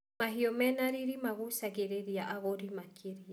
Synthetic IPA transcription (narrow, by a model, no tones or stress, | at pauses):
maɦiɔmɛnaɾiɾimaɣusaɣeɾeɾiaʔaɣoɾimakʰeɾi